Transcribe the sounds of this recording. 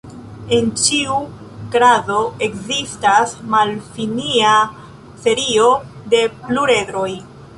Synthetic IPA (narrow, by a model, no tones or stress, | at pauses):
e̞nt͡ʃiu | ɡɾado̞e̞kzistasmalfinia | fe̞ɾio̞de̞pluɾe̞dɾo̞j